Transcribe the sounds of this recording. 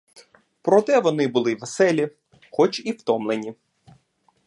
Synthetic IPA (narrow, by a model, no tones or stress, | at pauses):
pɾɔt̪ɛʋɔnɪbʊlˠɪʋesɛlʲi | xɔt͡ʃiwt̪ɔmlˠenʲi